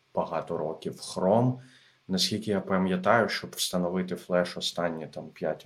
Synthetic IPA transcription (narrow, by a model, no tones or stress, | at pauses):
b̥ɐɦɑt̪ɔɾɔkʲiwxɾɔm | nɐsʲkʲilʲkɪjapɐmʲjɐt̪ɑjʊʃt͡ʃɔbwst̪ɐnɔʋɪt̪ɪflˠɛʃɔst̪ɑnʲːit̪ɑmpʲjatʲ